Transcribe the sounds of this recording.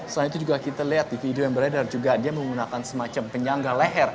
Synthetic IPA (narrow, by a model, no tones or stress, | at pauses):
səanit̪ud͡ʒuɡakit̪aliat̪̚difidiojaŋbəɾadard͡ʒuɡadiaməŋɡunakansəmat͡ʃampəɲaŋɡalɛɦɛr